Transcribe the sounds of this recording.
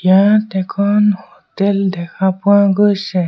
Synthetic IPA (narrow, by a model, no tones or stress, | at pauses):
jatɛkʰɔnhoteldɛkapuãɡəʃɛ